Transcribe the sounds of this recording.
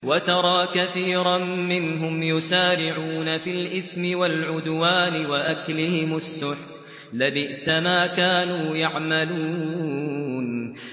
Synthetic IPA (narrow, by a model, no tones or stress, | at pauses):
wat̪ɑɾˤɑːkaθiːɾamɪnɦʊmjʊsaːɾɪʕuːnafɪlʔɪθmɪwalʕʊd̪waːnɪwaʔaklɪhɪmʊsːʊħ | labɪʔsamaːkaːnuːjaʕmaluː | n